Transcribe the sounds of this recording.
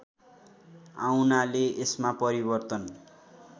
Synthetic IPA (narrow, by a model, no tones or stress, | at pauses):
awnaleesmapʌɾibʌrt̪ʌn